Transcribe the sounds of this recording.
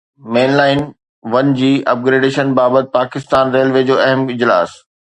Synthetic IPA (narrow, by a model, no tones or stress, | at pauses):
meːnlaːɪn | ʋɐnd͡ʑiːʔɐ̰p̚ɡɾeːɖeːʃənbaːbət̪̚paːkɪst̪aːnɾeːlʋeːd͡ʑoːɐɦəmɪd͡ʑla̰ːs